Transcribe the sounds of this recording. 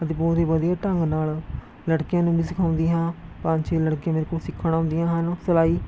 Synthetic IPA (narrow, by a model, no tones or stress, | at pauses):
ət̪eːboːɾiːbəd̪ijaːʈəŋɡnaːl | ləɽkɪjãːnũːbiːsɪkʰaːʊ̃nd̪iːɦãːpãːnt͡ʃʰeːləɽkijãːmeːɾekoːsɪkʰːɽ̃ãːɦʊ̃nd̪ɪjãːɦənsəlaːiː